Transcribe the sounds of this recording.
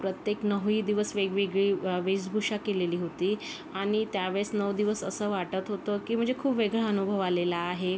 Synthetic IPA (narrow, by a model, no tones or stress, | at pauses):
pɾət̪jeknəʋiːd̪iʋəsʋeɡʋeɡɭiːʋed͡zbʱuʂakeleliːɦot̪iː | aɽ̃it̪jaʋeɭsnəʋd̪iʋəsəsəːʋaʈət̪ɦot̪əkiːm̤ə̃ɳd͡zekʰuːpʋeɡɭaənubʱəʋalelaːɦe